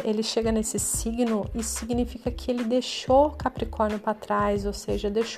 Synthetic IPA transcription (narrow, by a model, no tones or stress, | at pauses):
elɪʃeɡɐnesɪsiɡnʊisʊ̥siɡnifikɐkʰɪelɪd̪eʃokapɾikʰɔɾnʊpɾɐt̪ɾajzowseʒɐd̪ejʃ